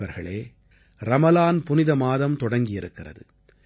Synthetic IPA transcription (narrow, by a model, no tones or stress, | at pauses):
ɐɾɣɐ̰ɭeː | ɾɐmɐlaːnpʊnɪðɐmaːðɐmt̪ɔɽɐŋɡɪjɪɾɯkːɪrɐ̰ðɯ